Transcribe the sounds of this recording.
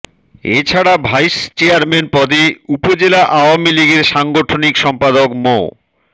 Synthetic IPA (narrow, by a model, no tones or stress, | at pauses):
ḛt͡ɕʰaɽabʱajst͡ɕeaɾmenpɔd̪eupod͡ʑelaʔaoamiliɡeɾʃaŋɡoʈʰonikʃɔmpad̪okmo̰